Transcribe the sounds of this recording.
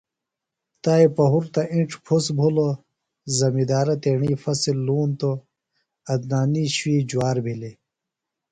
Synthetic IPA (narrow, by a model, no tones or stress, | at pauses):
t̪aːipɐɦuɾt̪ɐʔĩɳʈ͡ʂʰpʰusbʱulo | zɐmid̪aːɾɐt̪eːɳiːfɐsilːuːnt̪o | ɐd̪̚naːniɕwiːd͡ʑuwaːɾbʱili